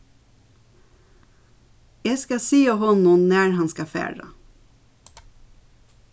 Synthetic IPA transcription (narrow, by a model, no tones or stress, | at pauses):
jæːskɑsiːəhɔnʊnnæːɹhɑnskɑfæ̰ːɹɑ̰